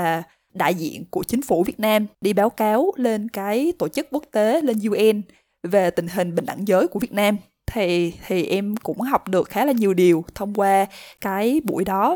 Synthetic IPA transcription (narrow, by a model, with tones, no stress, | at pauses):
aː˨˩ | ɗa̰ː˧˨jzḭ˧˨ənku˧˩ət͡ɕï˨˦ŋ̟fu˧˩vi˨˩ət̚naː˧mɗi˧ɓaː˨˦wkaː˨˦wle˧nkaː˨˦jt̪o˧˩t͡ɕɨ˦˥k̚kːu˦˥ək̚t̪e˨˦le˧nzu˧ʔɛ˧n | ve˨˩t̪ï˨˩ŋ̟ɦï˨˩ŋ̟ɓï˧˩ŋ̟ʔa̰˧˩ŋzəː˨˦jku˧˩vi˨˩ət̚naː˧m | t̪ʰi˨˩t̪ʰi˨˩ʔɛ˧mkʊ̰˧˥ŋ͡mha˨˩wk͡p̚ɗɨ˨˩ək̚xaː˨˦laː˨˩ɲi˨˩əwɗi˨˩əwt̪ʰə˧wŋ͡mkwaː˧kaː˨˦jɓṵ˧˩jɗɔ˨˦